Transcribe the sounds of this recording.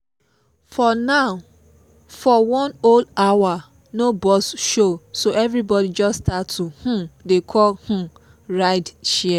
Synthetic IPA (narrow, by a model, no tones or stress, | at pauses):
fɔnaʊ | fɔwɔ̃noldawa | nobɔsʃosoʔɛvɾibɔdid͡ʒɔstatuh̩dekʰɔlh̩ | ɹaɪdʃɛɛ